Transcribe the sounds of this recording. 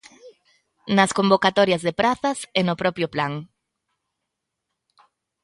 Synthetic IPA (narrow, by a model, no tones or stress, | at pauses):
naskombokat̪oɾjazðepɾaθasenopɾɔpɾjoplaŋ